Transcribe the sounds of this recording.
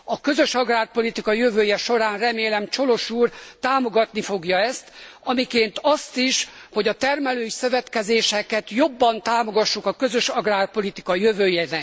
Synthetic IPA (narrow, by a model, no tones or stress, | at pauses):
ɒkøzø̞ʃɒɡraːrpo̞lit̪ikɒjøvøːjɛʃo̞ɾaːnrɛmeːlɛmt͡ʃo̞lo̞ʃuːrt̪aːmo̞ɡɒt̪nifo̞ɡjɒɛst̪ɒmikeːnt̪ɒst̪iʃho̞ɟɒt̪ɛrmɛløːjsøvɛt̪kɛzeːʃɛkɛt̪jo̞bːɒnt̪aːmo̞ɡɒʃːukɒkø̞zø̞ʃɒɡraːrpo̞lit̪ikɒjøvøːjɛnɛ